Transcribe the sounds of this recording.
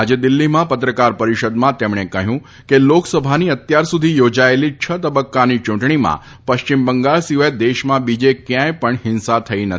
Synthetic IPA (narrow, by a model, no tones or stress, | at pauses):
ad͡ʒed̪ɪlːimãpət̪ɾəkaɾpəɾiʃəd̪mãt̪emɳekəɦjũ | keloksəbʱaniət̪jaɾsud̪ʱijod͡ʒaelit͡ʃʰət̪əbəkːanit͡ʃʊ̃ɳʈɳimã̰ | pəʃt͡ʃimbəŋɡaɭsiʋajd̪eʃmãbid͡ʒekjãjpəɳɦɪnsat̪ʰəinə